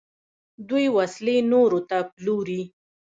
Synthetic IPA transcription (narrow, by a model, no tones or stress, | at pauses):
d̪ujwaslenoɾot̪aploɾi